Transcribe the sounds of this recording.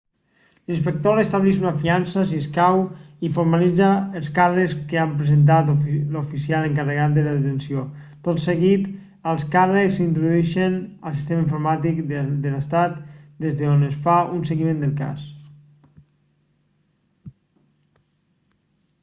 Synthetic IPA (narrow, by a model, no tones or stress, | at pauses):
linspək̚t̪orest̪aβlɛʃunafiansəs̬iskaw | ifoɾmalid͡zaːlˠskarəkskəampɾəzent̪̬at̪lufisialəŋkərəɣat̪̚d̪ələðət̪ənsiot̪ot̪səɣit̪ | əlˠskarəksint̪ɾuðuɛʃənəlˠs̬i̥st̪emaĩɱfuɾmat̪ikd̪ələst̪at̪d̪ezðəonəsfaunseɣimẽnd̪əlˠka̰s